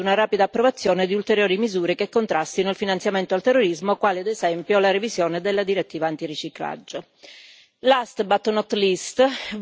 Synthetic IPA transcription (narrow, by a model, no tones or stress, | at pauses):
unaɾaːpid̪aːpːɾovat̪sːjoːned̪iult̪eɾjoːɾimizuːɾekekːont̪ɾast̪inoilfinant̪sjament̪oalt̪erːoɾizmokwaːlead̪ezɛmpjolaɾevizjoːned̪elːad̪iɾet̪ːiːvaːnt̪irit͡ʃikla̰d͡ʒːo | last̪bat̪ːonɔt̪ːlist̪